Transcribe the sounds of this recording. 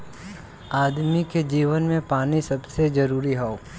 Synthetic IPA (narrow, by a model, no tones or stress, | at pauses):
aːd̪miked͡ʒiːʋənmẽpaːnisɐbsezɐɾuːɾiɦɛoː